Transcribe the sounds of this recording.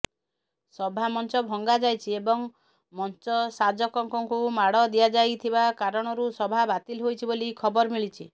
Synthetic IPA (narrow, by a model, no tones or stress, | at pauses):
sɔbʱamɔnt͡ʃɔbʱɔŋɡad͡ʒajt͡ʃʰiebɔŋ | mɔnt͡ʃɔsad͡ʒɔkɔŋkɔŋkumaɽɔd̪ijad͡ʒajt̪ʰibakaɾɔɽ̃ɔɾusɔbʱabat̪ilɦojt͡ʃʰibolikʰɔbɔɾmiɭit͡ʃʰi